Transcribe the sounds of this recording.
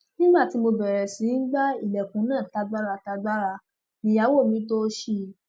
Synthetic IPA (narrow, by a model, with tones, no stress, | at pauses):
nĩ˦ɡ͡ba˦˨ti˨˦mo˧bɛ˨ɾɛ˨sĩ˨˦n̩˦ɡ͡ba˦i˦˨lɛ˨kũ˨˦nãː˦˨ta˧ɡ͡ba˦ɾa˧ta˧ɡ͡ba˦ɾa˧ | mĩ˧ja˨˦wo˦˨mĩ˨˦to˦ʃi˦˧˨